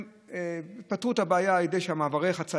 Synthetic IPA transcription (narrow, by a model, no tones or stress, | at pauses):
itpat̪ʁuthabeajaajed̪ejʃeamaːvaʁeχat͡sa